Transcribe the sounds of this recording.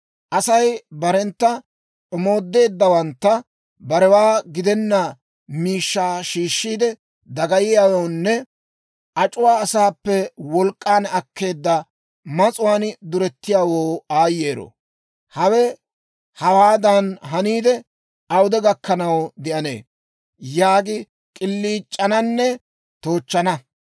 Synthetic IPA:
ʔɐsɐjbɐɾɛnt̪ːɐ | ɔmo̞ːd̪ːe̞ːd̪ːɐwɐnt̪ːɐ | bɐɾɛwaːɡɪd̪ɛnːɐ | miːʃːaːʃiːʃːiːd̪ɛ | d̪ɐɡɐjɪjaːwownːɛ | ʔɐt͡ʃʼʊwaːɐsaːpːɛwɔlkʼːaːnɐkːe̞ːd̪ːɐ | mɐt͡sʼʊwaːnd̪ʊɾɛt̪ːɪjaːwoːaːjːe̞ːɾo̰ | hɐwɛ | hɐwaːd̪ɐnɦɐniːd̪ɛ | ɐwʊd̪ɛɡɐkːɐnɐwd̪ɪʔɐnḛː | jaːɡɪ | kʼɪlːiːt͡ʃʼːɐnɐnːɛ | t̪oːt͡ʃːɐnɐ

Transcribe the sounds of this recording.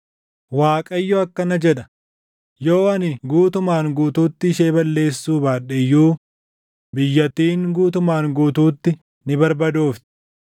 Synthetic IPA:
waːkʼɐjːɔɐkːɐnɐd͡ʒɛᶑɐ | jo̞ːɐnɪɡuːt̪ʊmaːŋɡuːt̪uːt̪ːɪɪʃeːbɐlːe̞ːsːuːbaːᶑɛjːuː | bɪjːɐt̪ːiːŋɡuːt̪ʊmaːŋɡuːt̪uːt̪ːɪ | nɪbɐɾbɐd̪uːft̪ɪ̥

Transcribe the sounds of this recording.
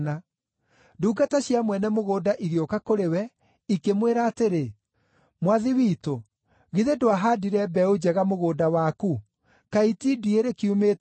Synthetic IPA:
na | duːɡataɕjamwɛnɛmoɣoːdaʔiɣjokakoɾewɛ | ikemweɾaːteɾe | mwaðiwiːto | ɣiðedoaɦaːdiɾɛbɛod͡ʑɛɣamoɣoːdawaku | kaitidieɾekiume

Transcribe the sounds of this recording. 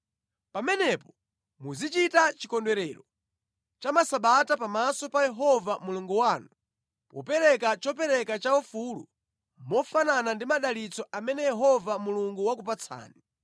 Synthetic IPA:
pamɛnɛpɔ̥ | muzit͡ʃitat͡ʃikɔndwɛɾɛːɾɔ | t͡ʃamasaɓatapamasɔpajɛɦɔvamuluŋɡuwaːnu | pɔ̰pɛɾɛkat͡ʃɔpɛɾɛkat͡ʃaɔfulṵ | mɔfananandimaɗalit͡sɔʔamɛnɛjɛɦɔvamuluŋɡuwakup̬at͡sʰa̰ːni

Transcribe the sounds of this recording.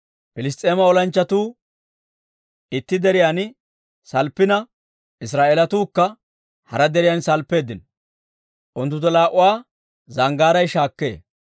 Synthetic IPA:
pɪlɪs̬t̪ʼeːmɐɔlɐnt͡ʃːɐt̪uː | ɪt̪ːɪd̪ɛɾɪjaːn | sɐlpːɪnɐ | ɪs̬ɾaːʔeːlɐt̪uːkːɐ | hɐ̰ɾɐd̪ɛɾɪjansɐlpːe̞ːd̪ɪn | ʔʊnt̪̬ːʊt̪̬ːɔlaːʔʊwaː | zɐŋɡaːɾɐjʃaːkːe̞̰ː

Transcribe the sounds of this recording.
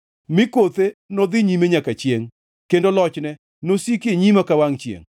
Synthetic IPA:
mɪkot̪enɔd̪ɪɲimeɲakat͡ʃjeŋ | kendolɔt͡ʃnɛ | nosikeɲimakawaŋt͡ʃjḛŋ

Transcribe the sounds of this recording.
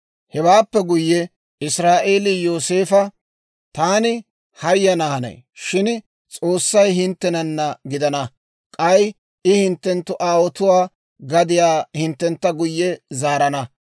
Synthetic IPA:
hɛwaːpːɛɡʊjːɛ | ɪsɾaːʔe̞ːlɪjoːse̞ːfɐ | t̪aːnɪ | hɐjːɐnɐhɐnɐ̰j | ʃɪn | t͡sʼo̞ːsːɐjɦɪnt̪ːɛnɐnːɐɡɪd̪ɐnɐ | kʼɐj | ɪhɪnt̪ːɛnt̪ːʊʔaːwɔt̪ʊwaː | ɡɐd̪ɪjaːhɪnt̪ːɛnt̪ːɐɡʊjːɛzaːɾɐnɐ

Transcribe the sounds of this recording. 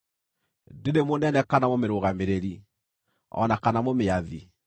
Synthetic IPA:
dedemonɛnɛkanamomeɾoɣameɾeɾi | ɔ̰nakanamomeaði

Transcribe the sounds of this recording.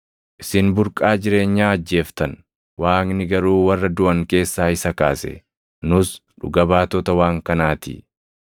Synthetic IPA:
ʔɪsɪnbʊɾkʼaːd͡ʒɪɾe̞ːɲːaːɐd͡ʒːe̞ːft̪ɐn | waːŋnɪɡɐɾuːwɐrːɐd̪ʊʔɐŋke̞ːsːaːɪsɐkaːsɛ̰ | nʊsᶑʊ̰ɡɐbaːt̪ɔt̪ɐwaːŋkɐnaːt̪ḭ

